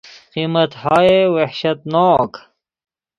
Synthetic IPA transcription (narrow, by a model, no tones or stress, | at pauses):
qimɐt̪haːewehɕɐt̪naːk